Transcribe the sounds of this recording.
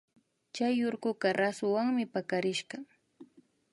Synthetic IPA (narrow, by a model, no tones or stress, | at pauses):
t͡ʃajːʊɾkʊɢɑɾasʊwaŋmɪpakaɾɪʃɢɑ